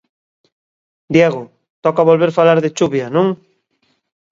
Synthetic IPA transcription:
d̪jɛɣʊ | t̪ɔkaβolβeɾfalaɾðet͡ʃuβjanõŋ

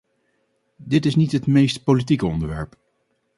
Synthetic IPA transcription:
dɪtɪsnitɦətmejstpolitikəɔ̰ndəɹʋɛɹp

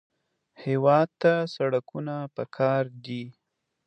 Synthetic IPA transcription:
hewɑd̪̚t̪asaɽakunapəkʰɑɾd̪i

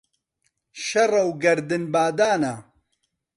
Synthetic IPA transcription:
ʃɐrɐwɡɐɾd̪ɨnbaːd̪aːna

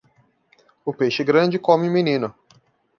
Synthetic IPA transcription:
ʊpejʃɪɡɾɐ̃d͡ʒɪkõmɪ̃mĩnĩnʊ

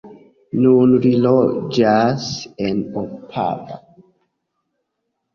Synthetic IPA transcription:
nunlilod͡ʒasenopʰa̰ɡa̰

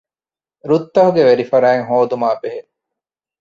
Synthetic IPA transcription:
ɾut̪ːɐɦuɡeʋeɾifɐɾæːŋɦoːd̪umaːbeɦe

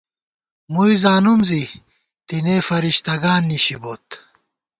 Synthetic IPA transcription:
mujzaːnumzi | t̪ineːfɐɾiɕt̪ɐɡaːnːiɕiboːt̪

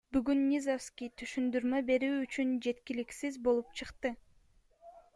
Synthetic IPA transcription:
byɡynːʲizofskʲijt̪ʰyʃynd̪yɾmø̞be̞ɾyːt͡ʃynd͡ʒe̞t̪kʲiliksizbo̞lˠup̚t͡ʃʰɯqt̪ɯ

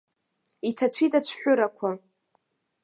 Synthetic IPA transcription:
itʰat͡ɕʷʰitʼat͡ɕʷʰħʷᶣʊɾakʷʰa

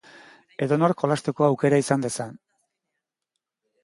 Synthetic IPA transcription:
e̞ðo̞no̞ɾko̞last̪eko̞awke̞ɾaisand̪e̞san

